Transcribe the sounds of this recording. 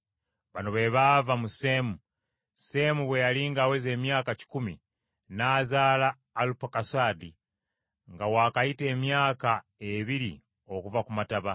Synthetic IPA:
βanoβe̞βavamusemu | se̞muβwejaliːŋɡaweze̞ːmjaːkaci̥kumi | naːzaːlaː | lupakasaːdi | ŋɡawaːkajite̞ːmjaːkaeβiɾḭ | o̞kuvakumataβa

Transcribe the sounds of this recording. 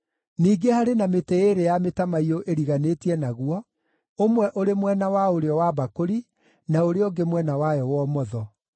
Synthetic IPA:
niːɡehaɾenameteeɾejametamaioʔeɾiɣaneːtiɛnaɣuɔ | omwɛʔoɾemwɛnawaoɾeɔwabakoɾi | naoɾeoɡemwɛnawajɔwɔmɔðɔ

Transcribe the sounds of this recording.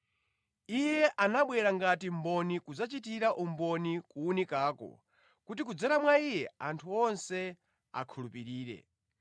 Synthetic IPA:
ijɛʔanaɓwɛɾaŋɡatim̩bɔnikud͡zat͡ʃitiɾaʔum̩bɔnikuːnikaːkɔ̰ | kutikud͡zɛɾamwaijɛantʰuɔnsɛ | a̰kʰulupiɾiːɾɛ̰

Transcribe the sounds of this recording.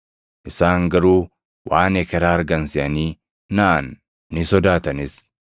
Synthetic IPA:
ʔɪsaːŋɡɐɾuː | wʔaːnekɛɾaːɐɾɡɐnsɪʔɐniː | naʔanː | ɪsɔd̪aːt̪ɐnɪs

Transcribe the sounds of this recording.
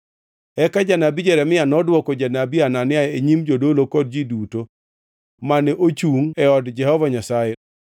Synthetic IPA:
ɛkad͡ʒanabid͡ʒɛɾɛmɪanɔdwɔkɔd͡ʒanabiananɪaeɲimd͡ʒodolokɔd̚d͡ʒiduto | manɛʔot͡ʃuŋɛɔdd͡ʒɛhɔvaɲasajɛ

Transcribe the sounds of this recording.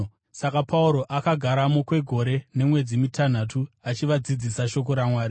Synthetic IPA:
sakapʰauɾo̞ʔakaɡʱaɾamokwe̞ɡʱo̞ɾe̞ne̞mwe̞d͡zimitan̤atʰuat͡ʃiʋad͡zid͡zisaʃo̞k̬o̞ɾamwaːɾi

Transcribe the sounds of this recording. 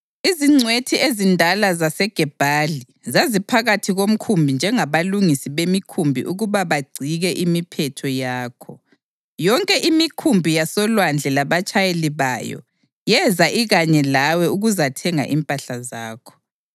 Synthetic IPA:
iziŋ͡ǀʱwetʰiezindʱalazasɛɡ̥ʱɛb̥ʱali | zazipʰaɣatʰiɣom̩kʰumbʱind͡ʒʱɛŋaβaluŋisiβemikʰumbʱḭʔuɣuβaβaɡ͡ǀʱiɣɛʔimipʰɛtʰɔjaːkʰɔ | jɔŋkʼɛʔimikʰumbʱijasɔlwand͡ɮʱɛlaβat͡ʃʼajeliβa̰jɔ̰ | jɛzaʔiɣaɲɛlawɛuɣuzatʰɛŋa̰ʔimpʼaɬazaːkʰɔ̥

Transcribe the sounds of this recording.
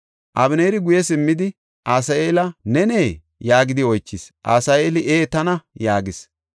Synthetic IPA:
ʔɐbɪneːɾɪɡʊjɛsɪmːɪd̪ɪ | ʔaːsɐeːlɐnɛneː | jaːɡɪd̪ɪɔjt͡ʃːɪsʔa̰ːsɐeːlɪʔeːt̪ɐnɐjaːɡɪs

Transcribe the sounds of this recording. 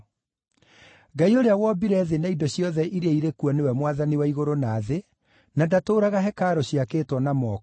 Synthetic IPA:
ɡaioɾeawɔbiɾɛðenaidɔɕjɔðɛʔiɾeaiɾekuɔnewɛmwaðaniwaiɣoɾonaːðe | nadatoːɾaɣaɦɛkaːɾɔɕjakeːtwɔnamɔk

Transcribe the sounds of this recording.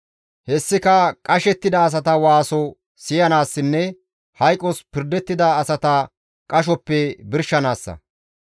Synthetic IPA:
hɛsːɪkɐkʼɐʃɛt̪ːɪd̪ɐːs̬ɐt̪ɐwaːsɔ | sɪjɐnaːsːɪnːɛ | hɐjkʼːɔspɪɾd̪ɛt̪ːɪd̪ɐːsɐt̪ɐ | kʼɐʃ̬ɔpːɛbɪɾʃɐnaːsːɐ̰

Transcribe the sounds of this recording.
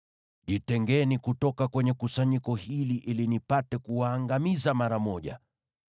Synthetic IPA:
ʄitɛŋɡɛnikutɔkakwɛɲɛkusaɲikɔhiliʔilinipatɛkuaːŋɡamizamaɾamɔʄa̰

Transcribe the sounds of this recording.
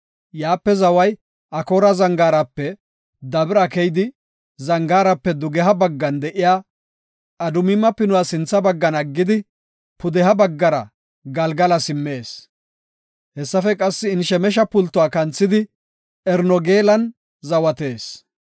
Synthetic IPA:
jaːpːɛzɐwɐj | ʔɐkoɾɐzɐŋɡaːɾɐpːɛ | d̪ɐbɪɾɐkɛjd̪ɪ | zɐŋɡaːɾɐpːɛd̪ʊɡɛɦɐbɐɡːɐnd̪ɛʔɪjaː | ɐd̪ʊmɪmːɐpɪnʊwasɪnt͡sːɐbɐɡːɐnɐɡːɪd̪ɪ | pʊd̪ɛɦɐbɐɡːɐɾɐ̰ | ɡɐlɡɐlɐsɪmːeːs | hɛsːɐfɛkʼɐsːɪːnʃɛmɛʃ̬ɐpʊlt̪ːʊwaːkɐnt͡sːɪd̪ɪ | ɛɾnɔɡeːlɐn | zɐwɐt̪e̞ːs

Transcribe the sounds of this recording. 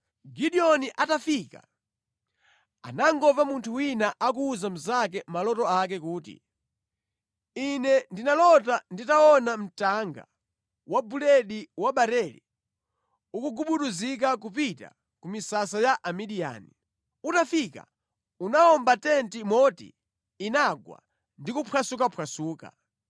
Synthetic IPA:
ɡiɗiɔniʔatafiːka̰ | a̰naŋɡɔvamuntʰuwinaʔak̬uːzam̩zakɛmalɔtɔak̬ɛkuːtḭ | inɛndinalɔtanditaɔnam̩taŋɡa̰ | wabulɛɗiwaɓaɾɛlḭ | ukuɡuɓuɗuzik̬akupita̰ | kumisasajaʔamiɗija̰ni | utafika̰ | unaɔmbatɛntimɔtḭ | inaɡwa̰ | ndikupʰwasukapʰwasuːka̰

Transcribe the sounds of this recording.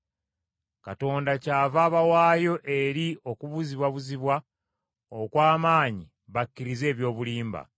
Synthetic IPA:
kato̞ːndacaːvaːβawaːjo̞ʔe̞ɾio̞kuβuziβwaβuziβwa | okwaːmaːɲi | βakːiɾize̞ːβjo̞ːβuliːmba̰

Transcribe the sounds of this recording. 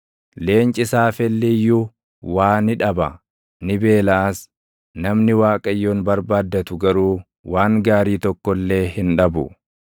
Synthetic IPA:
le̞ːnt͡ʃʼɪsaːfɛlːɛjːʊ | waːnɪᶑɐbɐ | nɪbe̞ːlaːs | nɐmnɪwaːkʼɐjːoːnbɐɾbaːd̪ːɐt̪ʊɡɐɾuː | waːŋɡaːɾiːt̪ɔkːɔlːe̞ːhɪnᶑɐbʊ

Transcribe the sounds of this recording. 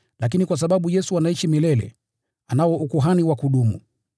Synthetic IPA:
lak̬inikwas̬aɓaɓujɛsuwanaiʃimilɛlɛ̰ | anawɔʔukuɦaniwakuɗumṵ

